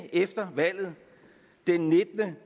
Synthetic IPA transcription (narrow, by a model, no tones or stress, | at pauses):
efd̥ɐʋæl̰ð̞̩ˠ | d̥enːe̝d̥nə